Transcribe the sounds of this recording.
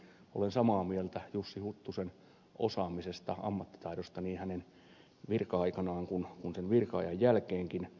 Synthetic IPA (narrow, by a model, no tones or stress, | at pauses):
o̰lensɑmɑːmielt̪æjusːihut̪ːusen | ʔo̰sɑːmisest̪ɑ̰ɑ̰mːɑt̪ːi̥t̪ɑiɾost̪ɑniːnhænen | ʋirkɑɑikɑnɑːŋkunkunsenʋirkɑɑjɑjjælkeːŋkin